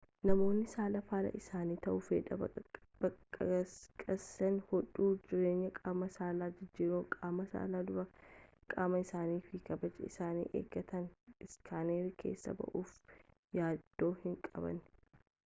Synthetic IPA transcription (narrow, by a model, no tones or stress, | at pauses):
nɐmo̞ːnːɪsaːlɐfaːlɐ̰ʔɪsaːniːt̪ɐʔʊfeːᶑɐ | bɐ | kʼɐsɛnhɔᶑuːd͡ʒɪɾe̞ːɲːɐkʼaːmɐsaːlaːd͡ʒɪd͡ʒːiːɾoːkʼaːmɐsa̰ːlaːd̪ʊɾɐkʼaːmɐɪsaːniːfikɐbɐt͡ʃɛɪsaːnḭːʔḛːɡɐt̪ɐnɪskʰaːneːɾikʰe̞̰ːsːɐ̰bɐ̰ʔuːf | jaːd̪̥ːo̞ːhɪŋkʼɐ̰bɐ̰n